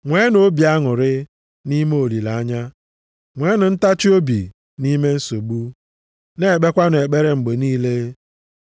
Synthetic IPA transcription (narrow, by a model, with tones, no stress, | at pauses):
ŋʷe˨˦no˦bi˨a˦ŋʊ˨ɾɪ˦ | ni˦m˦o˨li˨la˨a˦ɲa˦ | ŋʷe˨˦nʊ˨n̩˦ta˦t͡ʃɪ˦o˦bḭ˨ | ni˦me˦n̩˦so˨bu˦ | ne˨k͡pe˦kʷa˦n˨e˨k͡pe˦ɾe˦ŋ͡m̩˨ɡ͡be˨niː˦le˦